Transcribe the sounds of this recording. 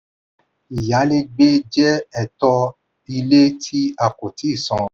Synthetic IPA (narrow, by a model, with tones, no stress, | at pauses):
i˨ja˨˦le˦ɡ͡be˦d͡ʒɛ˦ɛ˨tɔ˧ | i˧le˦tʰi˦a˧ko˨ti˨˦i˦˨sɔ̃˧